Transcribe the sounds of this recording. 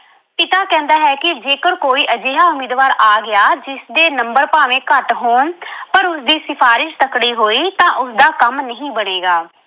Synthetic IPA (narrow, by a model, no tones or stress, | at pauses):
pɪt̪aːkɛ̃ːnd̪aːɦɛːkɪd͡ʒeːkəɾkoːiːʔəd͡ʒeːɦaːʊmeːd̪ʋaːɾaːɡɪjaːd͡ʒɪsd̪eːnəmbəɾpaːʋẽːkəʈɦoːɳpəɾʊsd̪iːsɪpʰaːɾɪʃt̪əkɽiːɦoːiːt̪ãːʔʊsd̪aːkəmnəɦĩːbəɽ̃eːɡaː